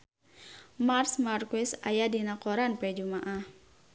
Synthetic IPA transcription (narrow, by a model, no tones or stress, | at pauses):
marsmarkuɪsajadinakɔɾanpɛd͡ʒumaʔah